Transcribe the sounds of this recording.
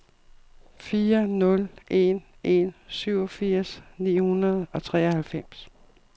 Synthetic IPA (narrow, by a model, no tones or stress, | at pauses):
fiːɐnɔ̽lʔe̝n | ʔe̝nsyʊ̰ɒ̽fiɐ̰snḭːhunɐð̞̩ˠɒ̽t͡sʰʁɛ̰ːɒhælfem̰s